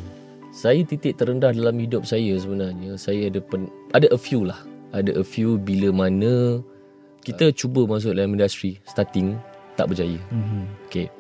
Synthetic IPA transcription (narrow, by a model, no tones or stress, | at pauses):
sajət̪it̪ɪʔ̚t̪ːəɾəndahdalamhidʊp̚sajəs̬əbənarɲəsajəadəpənʔadaʔəfjulahʔadaʔəfjubiləmanə̃ | kit̪ət͡ʃubəmas̬ʊʔlamĩndast̪ɾist̪at̪ɪŋt̪a̰ʔbərd͡ʒajəoke